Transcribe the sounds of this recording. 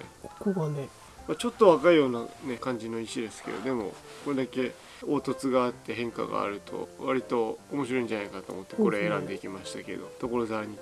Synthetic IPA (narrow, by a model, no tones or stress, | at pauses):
koɡane | mat͡ɕo̞t̪ːo̞βakaijo̞ːnane̞kãɲ̟d͡ʑino̞iɕid̪e̞sɨ̥ke̞̰d̪o̰d̪e̞mo̞̰ko̞ɾe̞d̪ake̞ | o̞ːt̪o̞t͡sɨɡaːt̪ːe̞ɦẽ̞ŋka̰ɡa̰ːɾɯ̟t̪ʰo̞̰βaɾʲit̪o̞ːmo̞ɕ̬iɾo̞ĩɲd͡ʑanaikat̪o̰ːmo̞t̪ːe̞ko̞ɾeeɾãnd̪e̞ikʲimaɕi̥t̪ake̞̰d̪o̞̰t̪o̞koɾo̞zaɲ̟i